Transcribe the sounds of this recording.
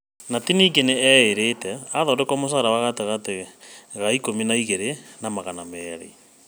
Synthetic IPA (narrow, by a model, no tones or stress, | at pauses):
natiniɡeneɛeɾetɛaðɔːdɛkɔmos̬aɾawaɣateɣateɣaikominaiɣeɾenamaɣanamɛːɾɛ̰i